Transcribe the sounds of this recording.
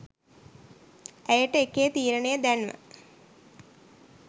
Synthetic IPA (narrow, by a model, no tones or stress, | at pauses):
æjəʈːəekːejət̪iːɾəɳejəd̪ænʋə̰